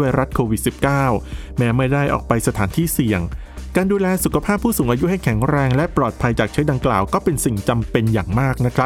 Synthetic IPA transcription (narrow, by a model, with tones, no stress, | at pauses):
u˥˩əjɾa˦˥t̪̚kʰoː˧wi˨˩t̪̚si˨˩p̚kaː˥˩w | mɛː˦˥ma˥˩jdaː˥˩jʔɔ̰ː˨˩k̚pa˧jsa˧t̪ʰaː˩˦nt̪ʰiː˥˩si˨˩əŋ | kaː˧nduː˧lɛː˧su˨˩kʰa˧pʰaː˥˩pʰːuː˥˩suː˨˩˦ŋʔaː˧ju˦˥ha˥˩jkʰɛ˩˦ŋɾɛː˧ŋlɛ˦˥ʔpɾlɔː˨˩t̪̚pʰa˧jt͡ɕaː˨˩k̚t͡ɕʰɯ˦˥da˧ŋkla̰ː˨˩wkɔː˥˩pe˧nsi˨˩ŋt͡ɕa˧mpe˧njaː˨˩ŋmaː˥˩k̚na˦˥kʰɾa˦˥